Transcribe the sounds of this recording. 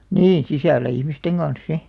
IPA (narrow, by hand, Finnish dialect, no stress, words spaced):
nĩː sisælːæ ihmisteŋ ɡ̊ɑn̞s si